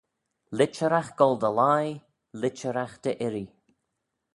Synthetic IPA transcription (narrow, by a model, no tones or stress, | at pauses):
lɪt͡ʃəɾaxɡ̥ɔlˠd̪əlaj | lɪt͡ʃəɾaxd̪̥əʔɪɾi